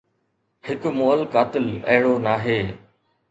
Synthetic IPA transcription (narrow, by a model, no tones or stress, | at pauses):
hɪkmoːəlkaːt̪ɪlə̰ɦɪɽoːnaːɦeː